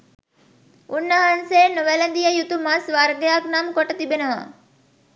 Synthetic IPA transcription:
unːəɦanseːnuʋelənd̪ijəjut̪umasʋaɾɡejaknamkoʈət̪ibenəʋa̰

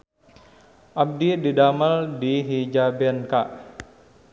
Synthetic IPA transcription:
ʔab̚dididamaldiɦid͡ʒabɛnkaʔ

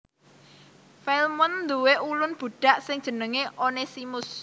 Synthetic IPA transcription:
fɛlmʊnd̪uweʔulʊnb̥ṳɖ̥a̤ʔsɪŋ̥ʒ̥ə̤nəŋeʔonesimʊs

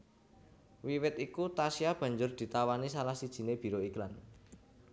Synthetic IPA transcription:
wiwɪt̪ikut̪asiab̥ä̤ɲd͡ʒʊrd̪̥i̤t̪awanisalahsid̥ʒ̥i̤neb̥i̤ɾoiklan

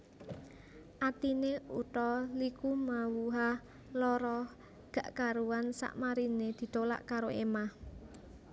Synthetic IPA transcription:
ʔat̪ineṵt̪ɔlikumawuɦa | lɔɾɔ | ɡ̥ä̤ʔkaɾuwansa̰ʔmaɾined̪̥i̤t̪ola̰ʔkaɾoʔemah

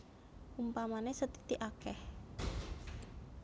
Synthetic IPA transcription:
umpamanesət̪i̥t̪iʔakɛh

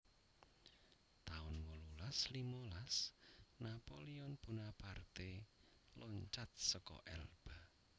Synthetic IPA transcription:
t̪aʊnwɔlulaslimolasnapoliɔnpunapart̪e | lɔɲt͡ʃat̪̚sɔkɔ̰ʔɛ̰lb̥a

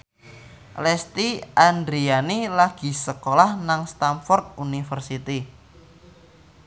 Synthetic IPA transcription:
lɛst̪iʔand̪ɾianilaɡ̥i̤səkolahnaŋst̪amfɔrt̪̚unifərsit̪i

